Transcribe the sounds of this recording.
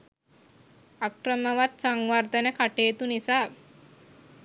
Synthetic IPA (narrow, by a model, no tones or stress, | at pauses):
akrəməʋat̪saŋʋard̪ənəkaʈeːt̪unisaː